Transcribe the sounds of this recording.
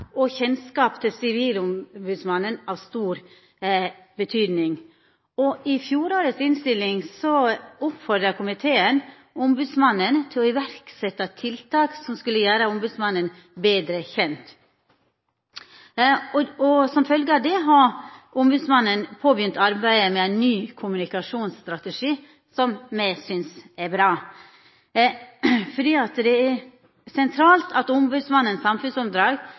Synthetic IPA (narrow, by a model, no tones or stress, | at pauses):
ʔɔçɛnskɑːpt̪ʰɪlsɪʋiːlʊmbʉːd̪smɑnːənɑːʋst̪uːɾ | bət̪ʰyːd̪nɪŋ | ɔɪfjuːɾoːɾəsɪnst̪ɪlːɪŋsɔʊpfɔɖ̪ɾɑkʰʊmɪt̪ʰeːən | ʊmbʉːd̪smɑnːənt̪ʰɪlɔɪʋæɾksɛt̪ːɑt̪ʰɪlt̪ʰɑːksɔmskʉlːəjæːɾəʊmbʉːd̪smɑnːən | beːd̪ɾəçɛnt̪ | ɔsɔmfœlɡəɑd̪ɛɦɑɾʔʊmbʉːd̪smɑnːənpʰoːbjʏnt̪ʰɑɾbæɪəmɛæɪnːyːkʰʊmʉnɪkɑʂuːnsst̪ɾɑt̪əʂiː | sɔmmæɪsʏnsɛɾbɾɑː | fɔɖiːɑt̪d̪ɛæɾ | sɛnt̪ʰɾɑːlt̪ʰɑt̪ʊmbʉːd̪smɑnːənsɑmfʉnsɔmd̪ɾɑːɡ